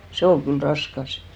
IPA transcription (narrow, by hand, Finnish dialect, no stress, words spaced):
se ol kyl rɑskɑs